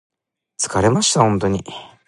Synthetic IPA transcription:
t͡sɨ̥kaɾe̞maɕi̥t̪ahõnt̪o̞ɲ̟i

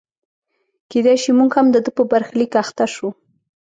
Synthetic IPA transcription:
ked̪ajʃimuɡhamd̪əd̪əpəbaɾxlikaxt̪aʃu

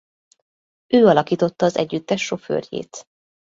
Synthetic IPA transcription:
øːɒlɒkiːt̪o̞t̪ːɒːzɛ̰ɟːyt̪ːɛʃːo̞fø̰ːrjḛːt̪

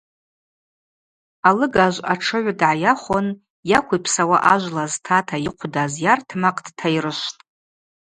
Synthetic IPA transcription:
alɨɡaʒʷaʈ͡ʂʰɨʕʷadʕajaχʷon | jakʷʰujpʰsawaʔaʒʷlaztʰatʰajiqʷʰdazjartʰmaqʼd̥tʰajrɨʃtʼ

